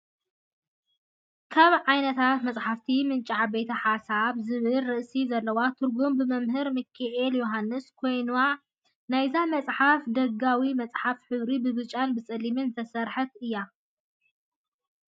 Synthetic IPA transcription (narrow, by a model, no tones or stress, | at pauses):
kʰaβʕajnɐt̪ʰat̪mɐt͡sʼħaft̪ʰimɨnt͡ʃʼaʕbet̪ʰɐħasaβzɨβɨlːɨʔsizɐlːɐwat̪ʰɨɾɡumbɨmɐmɦɨɾmɨkʰaʔeljoɦanːɨskʰo̞jnua | najzamɐt͡sʼħafd̪ɐɡawimɐt͡sʼħafħɨβɾibɨβɨt͡ʃʼanbɨt͡sʼɨlimɨnt̪ʰɐsɐɾħɐt̪ɨjːa